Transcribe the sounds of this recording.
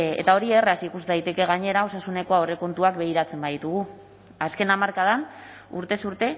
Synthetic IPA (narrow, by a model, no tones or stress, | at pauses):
ḛt̪ao̞ɾiereasikuzd̪ajt̪e̞ke̞ɣ̞aɲe̞ɾao̞sasune̞ko̞aore̞ko̞nt̪uakbe̞ɣ̞iɾat͡se̞mbaðit̪uɣ̞u | aske̞namaɾkað̞an | uɾt̪e̞suɾt̪e̞